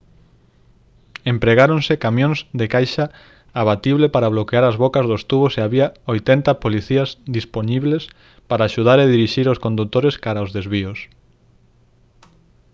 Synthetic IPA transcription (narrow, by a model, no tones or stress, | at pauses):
empɾeɣaɾoŋsekamjõŋzðekajʃɐ | aβat̪iβlepaɾaβ̞lokeaɾɐzβokɐzðost̪uβoseaβiɐojt̪ɛnt̪ɐpoliθiɐzðisponiβles | paɾaːʃuðaɾeð̞iɾiʃiɾoskõnd̪ut̪oɾeskaɾaozðezβiʊs